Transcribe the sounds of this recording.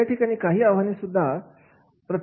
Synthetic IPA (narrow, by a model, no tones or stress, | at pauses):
aʈʰiːkaɽ̃iːkaɦiːaʋɦanisud̪ʱːa | pɾə